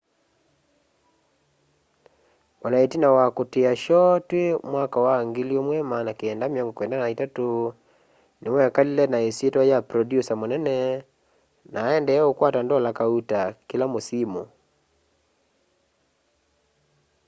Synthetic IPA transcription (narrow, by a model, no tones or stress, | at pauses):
wanaetinawakoteaʃɔtwemwakawaŋɡeliomwɛmaːnakeɛndamjaŋɡɔkwɛndanaitato | nemwɛakalilɛnaesietwajapɾɔdjusamonɛnɛ | naːɛndɛokwatandɔlakautakelamosimo